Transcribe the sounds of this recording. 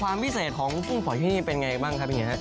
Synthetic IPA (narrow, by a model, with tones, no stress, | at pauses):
waː˧mpʰi˦˥seː˨˩t̪̚kʰɔː˩˦ŋpʰu˥˩ŋpʰɔ˨˩˦jt̪ʰi˥˩niː˥˩pe˧nŋa˧ja˧˩baː˥˩ŋkʰa˦˥p̚i˨˧˩i˦˥˦ɦa˦˥ʔ